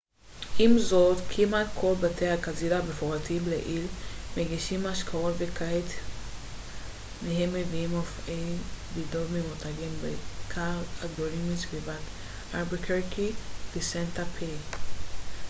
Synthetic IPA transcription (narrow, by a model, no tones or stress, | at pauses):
ʔimzodkʰimatkʰo̞lbatejhakazilabefoʁatimleʔilmeɡiʃimaʃkʰaotvekʰait | meɦemːeviimofejbidovmimutʰaɡimbekʰaaɡdonimit͡svivat | ʔaɾbikʰeɾkivesentapʰe